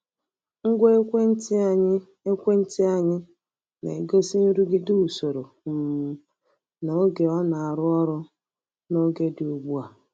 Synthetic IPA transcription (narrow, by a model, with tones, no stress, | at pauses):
ŋ̩˦ɡʷe˦t | e˦kʷe˦n̩˦ti˦a˦ɲɪ˦ | ne˨ɡo˦si˦n̩˦ɾu˦ɡɪ˦du˦u˨so˨ɾo˨ | no˨o˦ɡe˨ɔ˦na˨a˨ɾʊ˦ɔ˦ɾʊ˦ | no˦ɡe˦do˨ɡ͡bu˦a˨